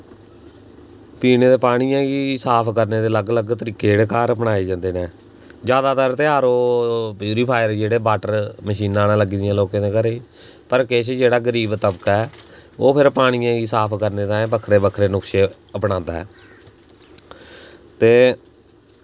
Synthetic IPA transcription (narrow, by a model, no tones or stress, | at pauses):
piːneːd̪eːpaːɽ̃ijãːɡiːsaːpʰkəɾneːd̪eːləɡləɡt̪əɾiːkeːɽeːkaːɾəpnaːeːd͡ʒãːnd̪eːnẽː | d͡ʒjaːd̪aːt̪əɾt̪eːaːɾoːpjuːɾiːpʰaːjəɾd͡ʒeːɽeːbaːʈəɾməʃiːnãːnãːləɡiːd̪ɪjãːloːkãːd̪eːkəɾeiː | pəɾkeːʃd͡ʒeːɽaːɡəɾiːbt̪əbəkɛːoːpʰɪɾpaːɽ̃ɪjãːɡiːsaːpʰkəɾneːd̪aːẽːbəkʰːɾeːbəkʰɾeːnʊkʃeː | əpɽãːnd̪aːɦɛ̰ː | t̪eː